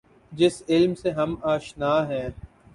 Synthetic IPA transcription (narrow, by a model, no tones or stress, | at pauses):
d͡ʒɪsɪlmseɦɐmaːʃnaːɦɛ̃ː